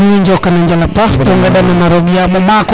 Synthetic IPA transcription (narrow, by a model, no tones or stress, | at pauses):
mɛɲd͡ʒɔkanaɲd͡ʒalapahtɔŋɡɛɗananaɾɔɓiamɔmak